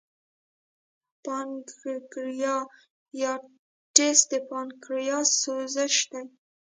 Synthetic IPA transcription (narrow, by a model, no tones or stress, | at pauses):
pɑnɡɡɾjɑ | jɑ | ʈesd̪əpɑnkɾjɑsozəʃd̪aj